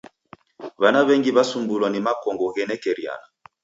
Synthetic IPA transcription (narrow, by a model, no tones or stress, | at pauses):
βanaβɛŋɡiβasumbulwanimakɔŋɡɔɣɛnɛkɛɾia̰na